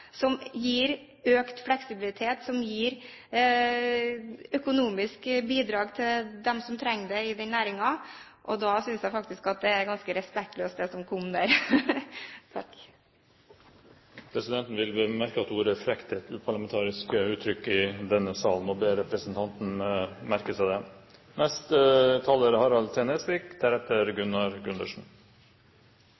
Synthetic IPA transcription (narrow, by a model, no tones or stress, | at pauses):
sɔmjiːɾ | øːkt̪flɛksɪbɪlɪt̪ʰeːt̪sɔmjiːɾ | œkʊnuːmɪskbiːd̪ɾɑːɡt̪ʰɪld̪ɛmsɔmt̪ʰɾɛŋːd̪ɛɪd̪ɛnæːɾɪŋɑ | ʔɔd̪ɑːsʏnsjæɪfɑk̚t̪ɪskɑt̪̚d̪ɛæɾɡɑnskəɾɛspɛk̚t̪løːst̪d̪ɛsɔmkʰɔmːd̪æːɾ | t̪ʰ | pʰɾɛsɪd̪ɛnt̪n̩ʋɪlbəmæɾkəɑt̪uːɾəfɾɛkt̪ət̪ʉːpʰɑɭɑmɛnt̪ʰɑːɾɪskəʉːt̪ʰːɾʏkːɪd̪ɛnːəsɑːln̩ɔbeːɾɛpɾəsənt̪ʰɑnt̪n̩mæɾkəsæd̪ɛnɛst̪ət̪ʰɑːləɾəhɑɾɑlt̪ʰɛɛnɛspɪkd̪ʰæɾɛt̪ːəɾɡʉnːɑɾɡʉnd̪əʂn̩